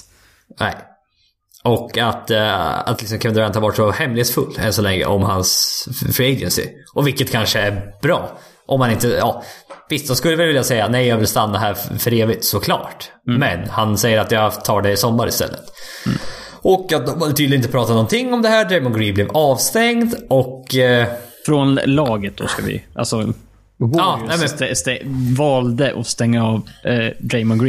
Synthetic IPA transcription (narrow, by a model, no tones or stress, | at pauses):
nɛ̰ɪ | ʔɔkːat̪a̰t̪lɪksɔmkʰɛmɛnɾanʰɑːvaʂɔhɛmːlɪheːt̪sfɵlːɛ̰nsɔlɛŋːə̰ʔɔmhansfɾɪɛɪd̪ənsɪ̰ | ʔɔvɪlkːət̪kʰanʂəæɾb̥ɾɑː | ʔɔmːanɪnt̪əɑ̰ːvɪst̪̚anskɵlːəvɪlvɪljasɛjːanɛɪjɑːɡvɪlst̪anːaɦæːɾfœɾeːvɪt̪sɔkʰlɑ̰ːʈmɛnhansɛjːəɾat̪jɑt̪ʰɑːɖɛɪsɔmːaɾɪ̰st̪ɛ̰lːə̰t̪ | ʔɔkːat̪̚d̪ɔad̪ət̪ʰyd̪ɪnɪt̪əpʰɾɑːt̪anɔnt̪ʰɪŋːɔmd̪ɛhæːɖɾɛjmɔɡɾiːbleːvɑːvst̪ɛŋd̪ʔɔk | fɾɔnlɑːɡət̪̚d̪̥ɔ̰skavɪ̰ʔa̰lsɔ | ɑːnɛmɛst̪ɛvɑːld̪əʔɔ̰st̪ɛŋːaɑːvd̪ɾɛɪmɔɡɾ